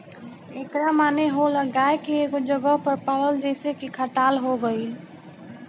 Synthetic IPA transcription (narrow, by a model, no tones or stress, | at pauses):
eːkɾamaːneɦoləɡaːekieːkd͡ʒəɡəɦpəɾpaːləld͡ʒɛːsekikʰaʈaːlɦoɡəi